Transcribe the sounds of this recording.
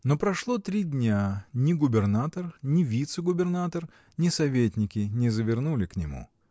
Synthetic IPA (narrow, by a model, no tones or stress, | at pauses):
nopɾɐʂlˠot̪ɾʲidʲnʲanʲɪɡʊbʲɪrnat̪ərnʲɪvʲit̪sɨɡʊbʲɪrnat̪ər | nʲɪsɐvʲetʲnʲɪkʲɪnʲɪzəvʲɪrnulʲɪknʲɪmṵ